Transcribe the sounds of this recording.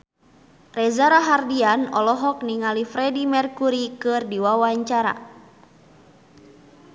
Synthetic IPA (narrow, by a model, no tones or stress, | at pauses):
rɛzaɾaɦardianɔlɔɦɔk̚niŋalifɾɛdimɛrkuɾikɨrdiwawaɲt͡ʃaɾa̰